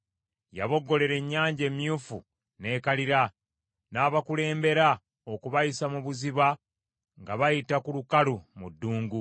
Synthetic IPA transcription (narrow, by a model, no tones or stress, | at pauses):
ja̰βo̞ɡːo̞le̞ɾe̞ɲːaːɲɟe̞ːmjuːfṵ | ne̞ːkaliɾa | naːβakule̞ːmbe̞ɾa | o̞kuβajisamuβuziβa | ŋɡaβajitakulukalumudːuːŋɡu